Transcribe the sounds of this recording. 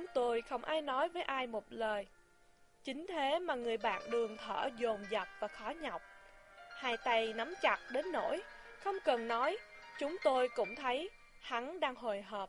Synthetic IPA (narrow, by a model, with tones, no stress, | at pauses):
t͡ɕŋ͡mt̪o˧jxə˧wŋ͡mʔaː˧jnɔ˨˦jvəː˨˦jʔaː˧jmo˨˩t̚ləː˨˩j | t͡ɕï˨˦ŋ̟t̪ʰe˨˦maː˨˩ŋɨ˨˩əjɓa̰ː˧˨nɗɨ˨˩əŋt̪ʰə̰ː˧˩zo˨˩mzə˨˩p̚vaː˨˩xɔ˨˦ɲa˨˩wk͡p̚haː˧˩jt̪a˧jna˨˦mt͡ɕa˨˩t̚ɗe˨˦nːo̰˧˥j | xə˧wŋ͡mkə˨˩nnɔ˨˦jt͡ɕʊ˨˦ŋ͡mt̪o˧jkʊ̰˧˥ŋ͡mt̪ʰə˨˦j | ha˨˦nɗaː˧ŋɦo˨˩jɦəː˨˩p̚